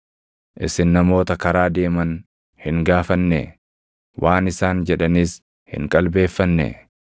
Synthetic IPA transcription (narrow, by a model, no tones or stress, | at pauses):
ʔɪsɪnːɐmo̞ːt̪ɐkɐɾaːd̪e̞ːmɐn | hɪŋɡaːfɐnːɛ̰ | wʔaːnɪsaːnd͡ʒɛᶑɐniːs | hɪ̰ŋkʼɐlbe̞ːfːɐnːɛ̰